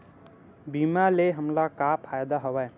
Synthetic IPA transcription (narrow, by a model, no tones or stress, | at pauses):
biːmaleɦəmlakaːpʰaːjd̪aɦoʋaɛ